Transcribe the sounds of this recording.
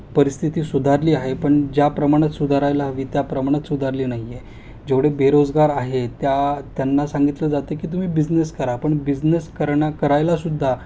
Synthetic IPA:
pəɾist̪ʰit̪iːsud̪ʱaɾliːaɦepəɳd͡ʑjapɾəmaɽ̃at̪sud̪ʱaɾajlaɦʋiːt̪japɾəmaɽ̃at̪sud̪ʱaɾliːnaɦie | d͡ʑeʋɽebeɾod͡zɡaɾaɦet̪jat̪janːasaŋɡit̪ləːd͡zat̪əkiːt̪̬um̤iːbid͡zneskəɾapəɳbid͡zneskəɾɳakəɾajlasud̪ʱːa

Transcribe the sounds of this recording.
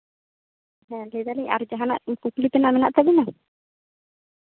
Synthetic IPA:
ɦɛ̃led̪aliɲa̰ɾud͡ʒaɦana̰ʔkuklip̪ɛnaʔmɛnaʔt̪abina

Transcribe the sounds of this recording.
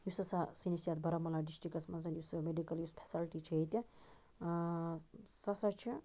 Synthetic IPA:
jusɐsasinisjat̪bɐɾɐmɐlaɖisʈɾikɐsmɐnzɐnjusmeɖikɐljuspʰe̥sɐlʈit͡ʃʰiet̪i | sɐsɐt͡ʃʰi

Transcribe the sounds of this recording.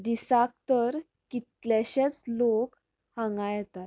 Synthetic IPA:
d̪isak̚t̪əɾ | kit̪leɕet͡slok | hãŋɡãjt̪at̪

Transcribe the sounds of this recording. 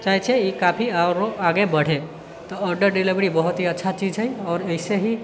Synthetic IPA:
t͡ʃaɦit͡ʃʰeikapʰiaɾoaɡebəɽ̤e | t̪ɔəɾɖəɾɖiliʋɾibəɦut̪ɦiətːʃʰat͡ʃid͡ʒɦɛjɔːɾəɪseɦi

